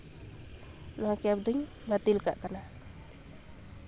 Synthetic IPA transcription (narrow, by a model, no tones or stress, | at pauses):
nɔakap̚d̪iŋ | nat̪ilka̰ʔkana